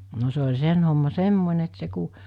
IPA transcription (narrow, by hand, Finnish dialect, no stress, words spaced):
no se olʲ sen homːɑ semːonʲe et se ku